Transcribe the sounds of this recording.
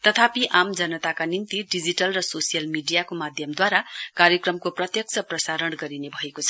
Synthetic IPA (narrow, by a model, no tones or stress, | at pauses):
t̪ʌt̪ʰapiʔamd͡zʌnʌt̪akanint̪iɖid͡ziʈʌlrʌsosijʌlmiɖijakomad̪ʱjʌmd̪waɾakaɾjʌkrʌmkoprʌt̪jʌk̚t͡sʰʌprʌsaɾʌɳɡʌɾinebʱʌekot͡sʰʌ̥